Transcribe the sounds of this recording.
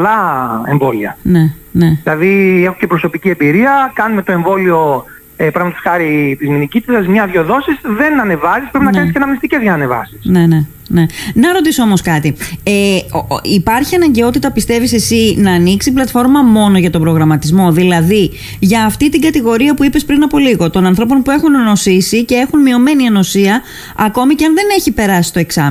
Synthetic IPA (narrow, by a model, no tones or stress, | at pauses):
lɐeɱvo̞liɐ̰ne̞ | ne̞ilɐðie̞xuce̞pɾo̞so̞piciembiɾiɐkɐnume̞t̪oe̞ɱvo̞lio̞ | pɾɐɣmɐt̪osxɐɾit̪izminicit̪it̪ɐsmɲɐðʝo̞ðo̞sisðe̞nɐne̞vɐsispɾpinɐɐniscenɐmnist̪icezʝɐnɐnevɐ̰si̥sne̞ne̞ | ne̞nɐɾo̞t̪isoo̞mo̞skɐt̪ieipɐɾçiɐnɐɲɟe̞o̞t̪it̪ɐpist̪e̞vise̞sinɐːniksiplɐt̪fo̞ɾmɐmo̞no̞ʝɐt̪o̞bɾo̞ɣɾɐmɐt̪izmo̞ðilɐði | ʝɐːft̪it̪iŋɡɐt̪iɣo̞ɾiɐpuipe̞spɾinɐpo̞liɣo̞t̪o̞nɐnθɾo̞p̬o̞npue̞xunno̞sisice̞e̞xunmio̞me̞niɐno̞siɐ | ɐko̞miceɐnðe̞ne̞çipe̞ɾɐsi̥st̪o̞eksɐm